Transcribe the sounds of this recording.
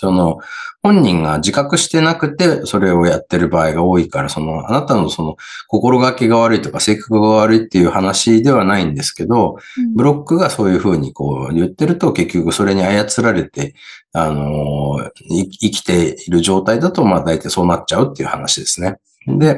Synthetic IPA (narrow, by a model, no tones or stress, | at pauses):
so̞no̞hõ̞ɲ̟ːĩŋɡad͡ʑikakɯ̟ɕi̥t̪e̞nakɯ̟t̪e̞so̞ɾe̞o̞jat̪ːe̞ɾɯ̟baːiɡao̞ːikaɾaso̞no̞a̰nat̪ano̞so̞no̞ko̞ko̞ɾo̞ɡakːeɡaβ̞aɾɯ̟it̪o̞kase̞ːkḁkɯ̟ɡaβaɾɯ̟it̪ːe̞jɯ̟ːhanaɕid̪e̞β̞anaĩnd̪e̞sɨ̥ke̞d̪o̞bɯ̟ɾo̞kːɯ̟ɡaso̞ːjɯ̟ːɸɯ̟ːɲ̟iko̞̰ːjɯ̟t̪ːe̞ɾɯ̟t̪o̞ke̞kʲːo̞kɯ̟so̞ɾe̞ɲ̟iajat͡sɨɾaɾe̞t̪e̞ano̞ | iikʲi̥t̪e̞iɾɯ̟ʑo̞ːt̪aid̪at̪o̞mad̪ait̪aiso̞ːnat͡ɕt͡ɕaɯ̟t̪ːe̞iɯ̟hanaɕid̪e̞sɨ̥ne̞ | d̪e̞